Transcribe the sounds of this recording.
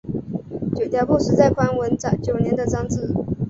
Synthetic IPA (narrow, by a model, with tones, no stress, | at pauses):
t͡ɕjo˨˩t̪jɑ˨˩pu˥˩ʂɻ̩˧˥t͡sa˥˩ɪkʰwa˥nwə˧˥nt͡sɑ˨˩t͡ɕjo˨˩ʊnjɛ˧˥nd̪ə˨t͡sɑ˥ŋt͡sɹ̩˥˩